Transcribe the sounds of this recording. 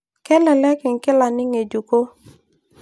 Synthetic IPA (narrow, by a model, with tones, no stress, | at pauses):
kɛ˦lɛ˨lɛ˦kɪ˨ŋkɪ˦la˨nɪ˦ŋe˨d͡ʒu˨ko˦